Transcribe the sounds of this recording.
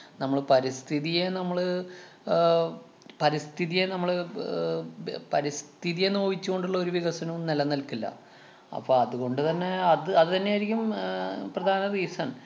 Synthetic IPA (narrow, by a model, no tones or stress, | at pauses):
nɐmːɐɭpɐɾist̪ʰiðijenɐmːɐɭ | pɐɾist̪ʰiðijenɐmːɐɭ | pɐɾist̪ʰiðijenːoːʋit͡ɕːuɣo̞ɳɖuɭːɐo̞ɾuʋiɣɐsɐnunelɐnːɐlkilːɐ̰ | ɐ̰pːoɐðuɣo̞ɳɖɨt̪ɐnːe̞ɐðɨɐðɨt̪ɐnːejajɾikʲːumprɐd̪ʱaːnɐðiːsɐn